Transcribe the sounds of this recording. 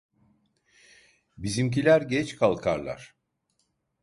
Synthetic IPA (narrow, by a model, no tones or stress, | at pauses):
bizimc̬ilʲæɾɟɛt͡ʃkʰalˠkʰaɾlˠa̰ɾ̥